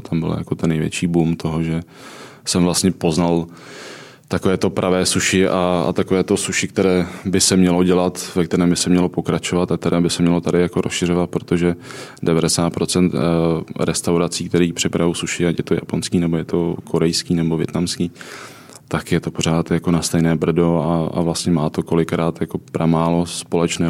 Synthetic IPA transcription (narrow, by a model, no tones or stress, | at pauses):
t̪ʰambɪ̰l̰ja̰ko̞t̪ɛnːɛjvjɛ̰t͡ʃiːbumt̪ʰo̞ɦo̞ʒɛ | sɛmvlast̪ɲɛpo̞znal | t̪akovɛːt̪o̞pɾʔavɛːsuʃɪʔaa̰t̪ako̞vɛːt̪o̞suʃɪk̚t̪ɛɾɛːbɪsɛmɲɛlo̞ɟɛlat̪vɛkt̪ɛɾɛːmbɪsɛmɲɛlo̞po̞kɾat͡ʃo̞vat̪ak̚t̪ɛɾɛːbɪsɛmɲɛlo̞t̪adɪjako̞ɾʔosʃɪr̝o̞vat̪̚pɾo̞t̪o̞ʒɛdɛvadɛsaːt̪̚pɾo̞t͡sɛnt̪ɾɛst̪awɾat͡siːk̚t̪ɛɾiːpr̥ɪpɾavosuʃɪacjɛt̪o̞ja̰po̞nskiːnɛbojɛt̪ʰo̞kʰo̞ɾɛjskiːnɛbo̞vjɛ̰t̪namskiː | t̪akjɛt̪o̞po̞ɾ̝aːt̪jako̞nast̪ɛjnɛːbr̩do̞aa̰vlast̪ɲɛmaːt̪o̞ko̞lɪkɾaːt̪jako̞pɾamaːlospo̞lɛt͡ʃnɛː